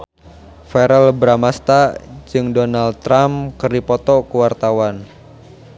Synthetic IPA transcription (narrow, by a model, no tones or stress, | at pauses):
fɛɾɛlbɾamast̪ad͡ʒɨŋdonal̚t̪ːɾamkərdipɔt̪ɔkuwart̪awan